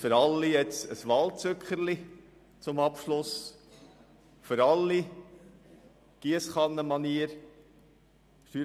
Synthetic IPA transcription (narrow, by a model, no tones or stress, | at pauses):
fəɾɑlːijɛt͡səsʋɑlt͡søkχəɾli | t͡sʊmɑpʃlʊs | fʏɾɑlːi | ɡ̥iəsχɑnːəmɑniəɾ | ʃtyː